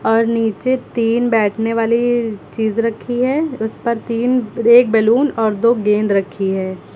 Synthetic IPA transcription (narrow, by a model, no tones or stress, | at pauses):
ɔːɾniːt͡ʃet̪iːnbɛːʈʰneʋaːlit͡ʃiːzɾɐkʰːiɦɛːʊspɐɾt̪iːneːk̚bɛluːnɔːɾd̪oːɡẽːnd̪ɾɐkʰːiɦɛː